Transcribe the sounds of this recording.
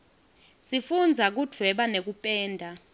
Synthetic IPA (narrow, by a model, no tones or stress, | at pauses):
sifund͡zʱak̬ud̥ʱwɛɓanek̬upʼɛːndʱa